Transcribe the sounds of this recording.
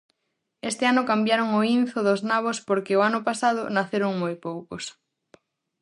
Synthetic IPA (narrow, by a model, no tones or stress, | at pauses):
est̪ɪanʊkambjaɾʊŋʊinθʊðʊznaβ̞ospoɾkɪoanʊpasaðʊnaθeɾʊŋmojpowkʊs